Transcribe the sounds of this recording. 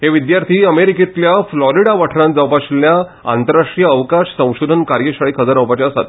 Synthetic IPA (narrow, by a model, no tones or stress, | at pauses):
ɦeʋid̪jaɾt̪ʰiːəmeɾikit̪ljaflɔɾiɽaʋaʈʰɾãt̪̚d͡zawpaɕlja | a̰nt̪əɾaʂʈijəːʋkaɕsə̃w̃ɕod̪ʱənkaɾjəɕaɭikʰəd͡zəɾaʋpat͡ɕaəsa̰t̪̚